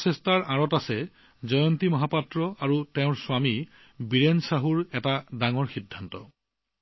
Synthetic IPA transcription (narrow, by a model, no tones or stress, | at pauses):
sɛstaɹʔãɹɔtasɛ | zɔjɔntimɔɦapatɹɔaɹuteʊ̃ɹswami | biɹensaɦuɹɛtadaŋɔɹxidʱːantɔ